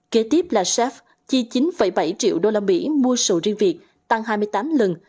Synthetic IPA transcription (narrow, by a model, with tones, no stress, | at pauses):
ke˨˦t̪i˦˥əp̚laː˨˩sɛ˦˥f | t͡ɕi˧t͡ɕi˨˦nfə̰˧˩jɓa˧˩jt͡ɕḭ˧˨əwɗo˧laː˧mḭ˧˥mu˧əsɨ̰˧˨˩zi˧əŋvi˨˩ək̚ | t̪a˧ŋɦaː˧jmɨ˧əjt̪aː˨˦mlə˨˩n